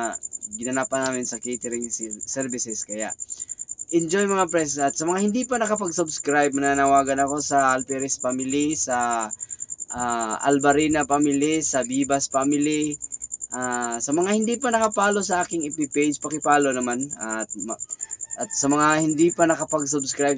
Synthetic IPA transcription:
ɡɪnɐnapɐnaːmɪnsɐkejt̪ɛɾɪŋssɛɾbɪsɛskɐja̰ʔ | ʔɛnd͡ʒo̞jmɐŋapɾɛs̬ɐt̪sɐmɐŋahɪnd̪ipɐnɐkɐpɐɡsʊbskɾajb̚mɐnaːnɐwaːɡɐnɐko̞sɐʔɐlpɛɾɛspamɪlisɐ | ʔaʔɐ̰lbɐɾiːnɐpamilisɐbiːbɐspamɪliʔasɐmɐŋahɪnd̪iːpɐnɐkɐpaːlo̞sɐʔaːkɪŋɪpipejd͡ʒpɐkɪpaːlo̞nɐmanɐt̪̚mɐt̪̚sɐmɐŋahɪnd̪ipɐnɐkɐpɐɡsubskɾaj

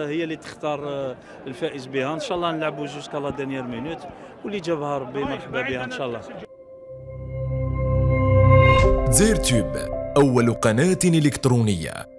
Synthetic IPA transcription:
həjːælit̪ə̥xt̪ɑɾˤ | lfæʔəzbihænʃɑʔlːɑnəlʕəbuʒuskʕlæd̪əɾnjæɾmənut̪ | wlid͡ʒæbhæɾˤɑbːimɑɾˤħbæbihænʃɑʔlˤːɑ | ziɾt̪ybʔæwːælqɑnæt̪niləkt̪ɾunəjːa̰

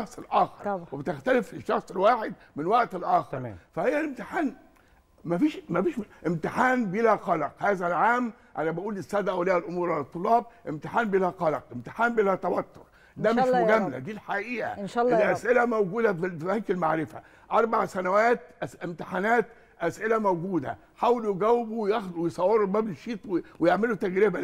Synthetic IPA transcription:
ɑxsˤelʔæːxɑ̰ɾˤwebt̪ɪxt̪ælɪflɪʃːɑxsˤelwaːħed̪ | mɪnwaʔt̪elʔæːxɑɾˤfæhejːælɪmt̪ɪħaːn | mæfiːʃmæfiːʃʔɪmt̪ɪħaːnbelæqɑlɑqhæːzælʕaːm | ʔænæbæʔuːlɪst̪ːæːd̪æʔæʔolæːʔɪlʔomuːɾˤalæt̪ˤːolːɑːbʔɪmt̪ɪħaːnbelæqɑlɑqʔɪmt̪ɪ̥ħaːnbelæt̪æwæt̪ːoɾ | d̪æmeʃmoɡæmːlæ̰d̪iːlħaʔiːʔæ̰ʔæsʔelæmæwɡuːd̪æffibæŋkɪlmaʕɾɪfæ̰ | ʔɑɾˤbaʕsænæwæːt̪̚ʔsɪmt̪ɪħanæːt̪ | ʔæsʔelæmæwɡuːd̪æ̰ | ħaːweljeɡæwːɪbujɑxd̪wejsˤɑwːeɾobæːbleʃiːt̪ˤwewejeʕmelut̪æɡɾɪbæ

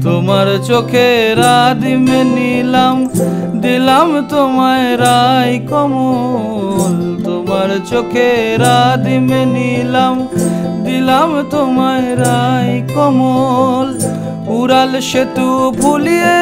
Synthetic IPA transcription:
t̪omaɾt͡ʃokʰeɾad̪imenilam | d̪ilamt̪omaeɾajkɔmo | lt̪omaɾt͡ʃokʰeɾad̪imenilam | d̪ilamt̪omaeɾajkɔmol | uɾalʃet̪ubʱulije

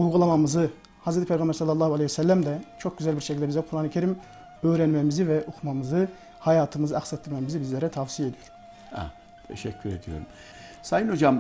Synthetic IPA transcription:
ulˠɡulˠamamɯzɯ | hazɾet̪ʰipʰejɡɑmbɾsɑlːɑlˠːɑːhualejsælʲːæmd̪ɛt͡ʃʰo̞k̚ɟyzælʲbiɾʃecʰilʲd̪ɛbizɛkʰuɾaːnicʰeɾim | øːɾænmemizivɛʔukʰumamɯzɯ | hajaːt̪ʰɯmɯzɯaxsɛt̪ːiɾmemizibizlʲeɾɛt̪ʰafsije̞d̪ijoɾ | ɛ̰ | t̪ʰɛ̰ʃɛcʰːyɾed̪ijo̰ɾum | sajɯno̞d͡ʒam

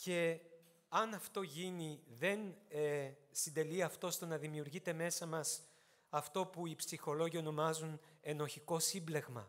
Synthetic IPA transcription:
ce̞ | ɐnɐft̪o̞ʝiniðe̞n | sind̪e̞liɐft̪o̞st̪o̞nɐðimiuɾʝit̪e̞me̞sɐmɐs | ɐft̪o̞puipsixo̞lo̞ʝio̞no̞mɐzune̞no̞çiko̞simble̞ɣmɐ̰

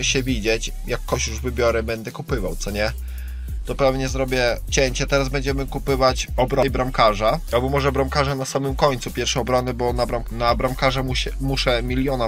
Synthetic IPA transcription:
ɕɛvʲid͡ʑet͡ɕ | jakːɔɕjuʐvɘbʲjɔɾɛbɛnd̪ɛkupɘvawt̪sɔɲɛ | t̪ɔpɾavɲɛzɾɔbʲjɛt͡ɕɛɲt͡ɕɛt̪ɛɾazbɛɲd͡ʑɛmɘkupɘvat͡ɕɔbɾɔjbɾamkaʐaalbɔmɔʐɛbɾamkaʐanasamɘmkɔɲʲt̪supʲjɛɾfʂɛɔbɾɔnɘbɔnabɾanabɾamkaʐamuɕmuʂɛmʲilʲjɔna

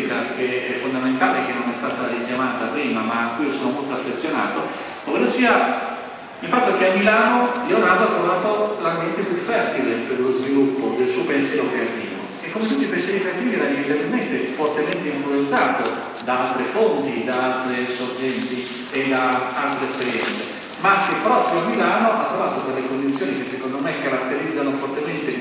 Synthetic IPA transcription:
ikak̟eɛfːond̪ament̪aːlek̟enːonɛst̪aːt̪aɾikjamaːt̪apɾiːmamakːuiosoːnomolt̪oafːet̪sːjona̰ːt̪o | d̪̥oveːlosiːa | ilfat̪ːok̟eamːilaːnolɛonaːt̪oat̪ːɾovaːt̪olambjɛnt̪epjufːɛrt̪ileperlozvilupːod͡ʒesuːpɛnsjɛɾokɾeat̪iːvo̰ | ekːomet̪ut̪ːipensjɛɾikɾeat̪iːviɛɾanimeid̪enment̪efort̪ement̪eiɱfluent̪saːt̪o | d̪aalt̪ɾefont̪id̪aalt̪ɾesord͡ʒɛnt̪i | ed̪aalt̪ɾeɛspeɾjɛ̰nt̪se | mak̟epːɾɔːpɾjoamːilaːnoʔa̰t̪ːɾovaːt̪od̪elːekond̪it̪sːjoːnikesːekond̪omekːaɾat̪ːeɾid̪zːanofort̪ement̪e

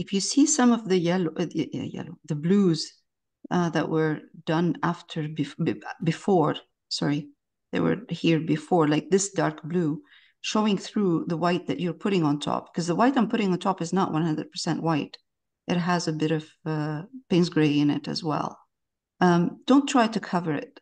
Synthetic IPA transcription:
ɨfjɨsisʌ̃mʌvðɨjɛlo̰jɛ̰loʊðɨbluz | ʌðɨ̰ʔwə˞d̥ʌ̃næftʰə˞bɨbɨfɔɹ | sɑ̰ɹi | ðḛɪwə̰˞hiɹbɨfɔɹlaɪk̚ðɪsd̥ɑɹkb̥lu | ʃoʊɪ̃ŋθɹuðəwaɪt̪̚ðɨt͡ʃə˞pʰʊɾɪ̃ŋə̃ntʰɔ̰p̚kʰʌzðəwaɪɾãɪ̃mpʰʊɾɪ̃ŋə̃ntʰɔpɨznəʔwʔʌ̃nhʌ̃ndɹɨd̚pʰə˞sɛ̃nʔwaɪt | ʔɨt̚ɦəzɨbɪɾʌv̥ʌpẽɪ̃nsɡ̥ɹeɪɨ̃nɪ̰ɾɨ̰zwɛ̰lˠ | ʌ̃d̥õʊ̃ntʰɹ̥aɪɾɨkʰʌvə˞ɪ̰t̚

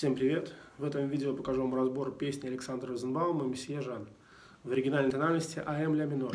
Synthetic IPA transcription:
sʲe̞mpɾʲɪvʲe̞t̪vɛt̪əmvʲidʲɪopəkɐʐomrɐzbo̞ɾrpʲesʲnʲɪɐlʲɪksand̪ɾəzɨnbalˠəməmʲɪsʲjeʐan | vəɾʲɪɡʲɪnalʲnjt̪ɐnalʲnəsʲtʲɪʔɐɛmlʲamʲɪno

